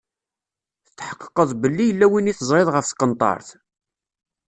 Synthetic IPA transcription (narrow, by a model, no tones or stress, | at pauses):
θət͡s̪ːħə̥qːə̥qːəðˤbəlːijəlːæwiniθəzˤɾeðˤʁəfθkːənt̪ˤɑ̰ɾˤθ